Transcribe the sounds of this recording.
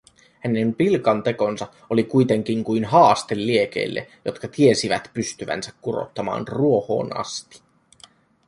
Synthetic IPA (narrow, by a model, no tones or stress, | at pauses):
hæne̞mpilkɑnt̪e̞ko̞nsɑ | olikujt̪e̞ŋk̟iŋkujnɦɑːst̪e̞lːie̞k̟e̞̰ilːḛjo̞t̪kɑt̪ie̞siʋæt̪pyst̪yʋæ̰nsækkuro̞̰t̪ːɑmɑ̰ːnruo̞ho̞̰ːnɑ̰st̪i̥